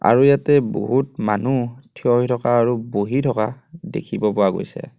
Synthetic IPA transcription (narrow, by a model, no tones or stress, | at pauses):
a̰ɹujatɛbo̰ɦutmanutʰiɔɦitʰɔkaːɹuboɦitʰɔkadḛkʰibɔpʊwaɡo̰jsɛ̰